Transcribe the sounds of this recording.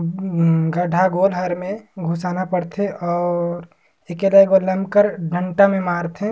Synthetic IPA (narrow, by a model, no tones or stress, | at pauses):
ɡəɖʱaɡoːlɦəɾmẽɡʱosaːnapəɽt̪ʰeʔɔːɾ | eːkeləɡoləmbkəɾɖʱəɳʈamẽmaːɾt̪ʰe